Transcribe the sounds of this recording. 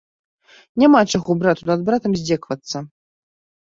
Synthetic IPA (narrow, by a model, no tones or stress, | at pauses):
nʲamat͡ʂaɣɔbɾat̪unad̪̚bɾat̪ɐmzʲd͡zʲɛkvɐt̪sːɐ